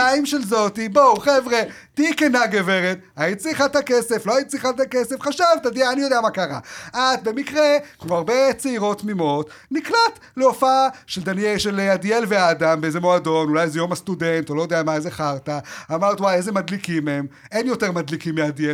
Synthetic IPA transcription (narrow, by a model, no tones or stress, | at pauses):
aimʃelzo̞tibowχevʁe | tiikenaɡeveʁet̪ait͡sliχat̪akese̞flo̞ait͡sliχatakesefχaʃavt̪adiaːnijo̞d̪eamakaʁaʔat̚be̞mikʁekmo̞aʁbet͡seiʁo̞tmimo̞t | niklat | leofaʃeld̪anjelʃeladielveaːdambeezemoado̞nulajzejo̞mast̪udent̪olo̞jodeamaezeχaʁtaamaʁtwajezemad̪likimːeem | e̞njo̞teʁmad̪likimːeadie